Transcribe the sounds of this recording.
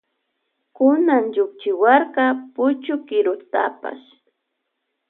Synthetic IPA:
kʊnaŋʎʊk̚t͡ʃɪwaɾkɑpʊt͡ʃʊkɪɾʊt̪a̰pa̰s

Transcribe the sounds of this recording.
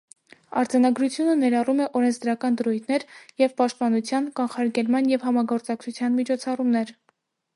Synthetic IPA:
ɑɾd͡zɑnɑɡɾut͡sʰjunənɛɾɑrumɛʔɔɾɛnt͡sʰd̪ɾɑkɑnd̪əɾujt̪ʰnɛɾjɛvpɑʃt̪̚pɑnut͡sʰjɑnkɑnχɑɾɡɛlmɑnjɛvhɑmɑɡɔɾt͡sɑk̚t͡sʰut͡sʰjɑnmit͡ʃʰɔt͡sʰɑrumnɛɾ

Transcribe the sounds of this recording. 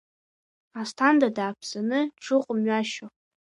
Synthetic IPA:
astʰandadaːpʰsanɨʈ͡ʂʰɨqʼʊmɥaʃo

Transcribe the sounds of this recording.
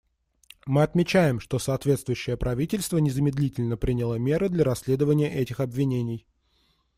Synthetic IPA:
mɨɐt̪mʲɪt͡ɕæjɪmʂt̪o̞sɐːt̪vʲe̞t̪st̪vʊjʉɕːɪjəpɾɐvʲitʲɪlʲst̪vənʲɪzəmʲɪd̪lʲitʲɪlʲnəpɾʲinʲɪlˠəmʲe̞ɾɨd̪lʲɐɾɐsʲlʲe̞d̪əvənʲɪjəʔɛtʲɪxɐbvʲɪnʲenʲɪj

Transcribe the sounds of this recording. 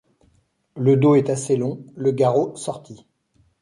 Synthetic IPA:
ləd̪oɛt̪aselɔ̃ləɡaʁosɔʁt̪i

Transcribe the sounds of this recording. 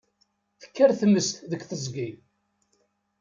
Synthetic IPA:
θə̥kːæɾθəmːəst̪ðəkʷθəzɡi

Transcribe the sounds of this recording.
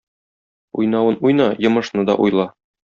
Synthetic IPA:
ujnɑwɤnujnɑjɤ̆mɤ̆ʃnɤd̪ɒ̰ʔujlˠɑ

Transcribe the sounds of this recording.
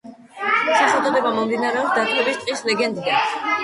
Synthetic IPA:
ʃɛsad̪ɔd̪ɛbamɔmd̪inaɾɛɔpsd̪at̪ʼwɛbist̪ʼislɛɡɛnd̪ɛ

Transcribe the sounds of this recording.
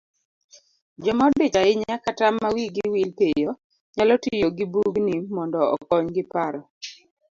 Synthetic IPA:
d͡ʒɔmɔdɪt͡ʃaɪɲakatamːawiɡiwilpejɔ | ɲalɔtijoɡibuɡnimɔndɔɔ̰kɔɲɡɪpaɾɔ

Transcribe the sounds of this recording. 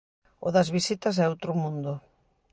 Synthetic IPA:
ʊðɐzβisit̪ɐs̬ɛowt̪ɾʊmũnd̪ʊ

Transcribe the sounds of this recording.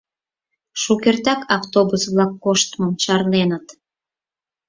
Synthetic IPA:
ʃukʲert̪ɑkɑft̪obusβlɑkːoʃt̪məmʃɑrnenət̪

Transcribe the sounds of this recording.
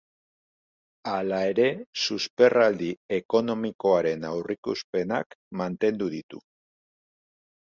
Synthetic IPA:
alae̞ɾe̞suspe̞rald̪ie̞ko̞no̞miko̞aɾe̞nawrʔikuspe̞na̰kmant̪e̞nd̪uðit̪ṵ

